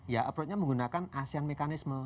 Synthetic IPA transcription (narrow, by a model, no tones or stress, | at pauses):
jaʔəpɾɔt̪̚ɲaməŋɡunakanasianmekanɪsmə